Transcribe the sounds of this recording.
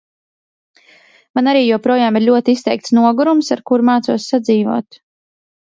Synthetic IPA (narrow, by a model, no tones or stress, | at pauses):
manaɾiːjɔwpɾɔjaːmiɾʎʲuɔt̪ist̪ɛjk̚t̪snuɔɡuɾumsaɾkuɾmaːt̪suɔsːad̪ziːvṵɔːt̪